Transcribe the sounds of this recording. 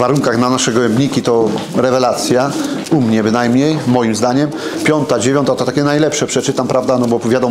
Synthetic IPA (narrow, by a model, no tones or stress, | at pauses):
vaɾuŋkaɣnanaʂɛɡɔɛmbɲikʲit̪ɔɾɛvɛlat̪sʲjaumɲɛbɘnajmɲejːɔjimzd̪aɲɛmpʲjɔnt̪ad͡ʑevʲjɔnt̪at̪ɔt̪akʲɛnajlɛpʂɛpʂɛt͡ʂɘt̪ampɾavd̪anɔbɔpvʲjad̪ɔ